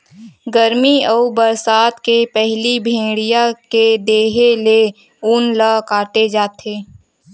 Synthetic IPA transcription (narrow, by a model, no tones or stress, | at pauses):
ɡəɾmiəubəɾsaːt̪kepɛɦlibʱẽːɽijaked̪eːɦele | uːnlakaːt̪ed͡ʒaːt̪ʰeː